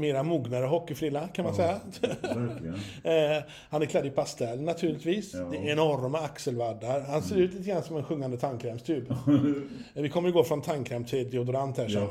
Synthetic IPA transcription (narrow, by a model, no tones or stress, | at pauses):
meːɾamuːɡnaɾəɦɔkːɪfɾɪːlakʰanmansɛjːa | hanæɾkʰlɛd̪ːɪpʰast̪ɛlːnːat̪ʰʉ̟ːɭɪt̪viːsd̪ɛɛnɔɾmɛaksəlvad̪ːaɾhanseːɾʉ̟ːt̪liːt̪əɡɾansɔmɛnɧɵŋːand̪ət̪ʰaŋkʰɾɛːmst̪ʰʉ̟ːb | vɪkʰɔmːəjɪɡoːfɾɔnt̪ʰaŋkʰɾɛmt̪ʰɪld̪ɪʊd̪ʊɾant̪hæʂɔ